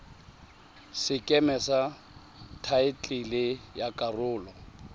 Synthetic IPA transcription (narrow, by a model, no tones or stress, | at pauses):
sɪkʼɛmɛsa | tʰaɪt͡ɬʼɪlɪjakʼarʊːlɔ